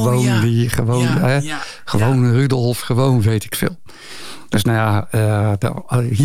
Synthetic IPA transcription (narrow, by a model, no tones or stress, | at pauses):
ʋoːndiχəʋoːnɛ | χəʋownrydˠfχəʋoːnʋejtɪ̥kfɪ̰ːlˠ | d̥øsnojaədɔ̰hi